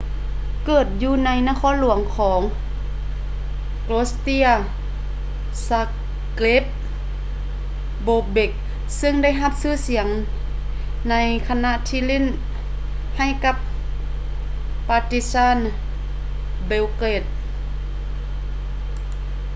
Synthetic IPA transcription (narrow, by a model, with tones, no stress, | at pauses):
kɤː˨˩t̪̚juː˧na˧˥jnaː˧kʰɔː˧˥˨nlu˨˩˦əŋkʰɔː˩˦ŋ | kloː˦st̪i˧˥ɐ | sa˧ | kle˦˥p̚ | boː˧be˧˩k̚ | sɯ˧˨ŋda˥˩˨jɦa˧p̚sɯː˧˩˨si˩˦əŋ | na˧˥jkʰa˧na˧˨ʔt̪ʰiː˧˨le˥˨n | ha˧˩˨jka˧p̚ | paː˧t̪i˧˥saː˧˥˨n | be˧wkle˧˩t̪̚